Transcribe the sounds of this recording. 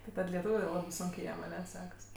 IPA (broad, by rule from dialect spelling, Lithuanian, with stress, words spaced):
tʲɪ ˈtɐt lʲɛˈtuːʋʲʊ jɛʊ ˈlˠɑːbɜ ˈsʊŋʲkʲeː ˈjiɛm ɐˈnʲɛ ˈsʲæːkɐs